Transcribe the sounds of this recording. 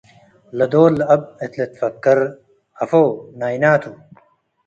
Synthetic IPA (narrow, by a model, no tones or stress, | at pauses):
lɐd̪oːlɐb̚et̪let̪fɐkːɐɾ | ɐfoːnaːinaːt̪ʰu